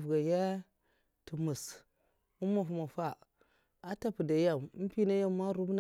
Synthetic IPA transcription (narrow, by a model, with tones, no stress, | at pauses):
vɡa˨ja˦ | tu˨mu˨s | u˦ma˨fu˨ma˨fa˦˨ | a˦ta˦pu˨da˨ja˦˨m˦m˦pi˦na˦ja˦mːa˦ɾu˦bna˨